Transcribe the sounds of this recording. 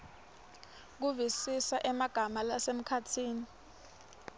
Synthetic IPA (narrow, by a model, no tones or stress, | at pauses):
k̬uvisisaʔɛmaɡ̥ʱamalasem̩kʰatʰiːni